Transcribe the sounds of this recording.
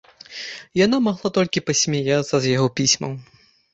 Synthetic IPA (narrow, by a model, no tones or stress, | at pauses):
janamaɣlˠat̪ɔlʲkʲipɐsʲmʲajat̪sɐzjaɣɔpʲisʲmɐ̰w